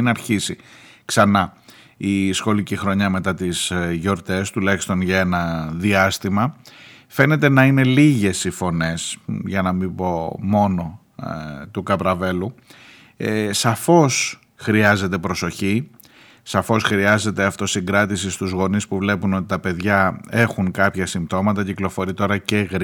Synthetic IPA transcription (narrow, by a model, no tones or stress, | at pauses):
nɐɾçisiksɐnɐ | isxo̞licixɾo̞ɲɐme̞t̪ɐt̪isʝo̞ɾt̪e̞st̪ulɐçi̥st̪o̞nʝɐe̞nɐðiɐst̪imɐ | fe̞ne̞t̪e̞nɐine̞liʝe̞sifo̞ne̞sʝɐnɐmibo̞mo̞no̞ | t̪ukɐpɾɐve̞lu | sɐfo̞s | xɾiɐze̞t̪e̞pɾoso̞çi | sɐfo̞sxɾiɐze̞t̪e̞ɐft̪o̞siŋɡɾɐt̪isist̪uzɣo̞nispuvle̞puno̞t̪i̥t̪ɐpe̞ðʝɐe̞xuŋkɐpçɐsimbt̪o̞mɐt̪ɐciklo̞fo̞ɾit̪o̞ɾɐce̞ɣɾ